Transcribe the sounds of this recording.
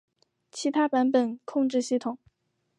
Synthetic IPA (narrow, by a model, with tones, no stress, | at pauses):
t͡ɕʰi˧˥t̪ʰa˥pa˧˥npə˨˩nkʰʊ˥˧ŋʈ͡ʂɻ̩˥˧ɕi˥˩t̪ʰʊ˨˩˦ŋ